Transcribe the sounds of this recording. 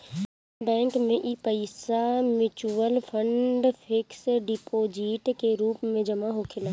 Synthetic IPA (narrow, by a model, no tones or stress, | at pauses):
bɛ̃ːŋkmẽʔiːpɐɪsamɪt͡ʃuʋəlfʰə̃ɳɖfʰɪksɖipʰod͡ʒiːʈkeɾuːpmẽd͡ʒɐmaɦokʰɪlã